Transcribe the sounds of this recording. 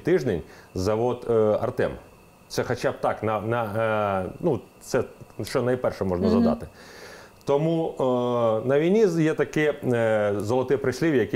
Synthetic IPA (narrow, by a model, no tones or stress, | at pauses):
t̪ɪʒd̪enʲzɐʋɔd̪ɐ̰rt̪ɛm | t̪sɛxɐt͡ʃab̚t̪ɑknɐnɐ | nut̪sɛʃt͡ʃɔnɐjpɛrʃɛmɔʒnɐzɐd̪ɑ̰t̪ɪ | t̪ɔmu | nɐʋʲijnʲijɛt̪ɐkɪ | zɔlˠɐt̪ɪpɾɪsʲlʲiʋʲjɐkɪ